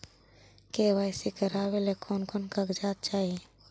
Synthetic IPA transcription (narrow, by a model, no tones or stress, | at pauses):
keːwaːɪsikəɾaːwelekʰɔːnkɔnkaɡd͡ʒaːt̪̚t͡ʃaːi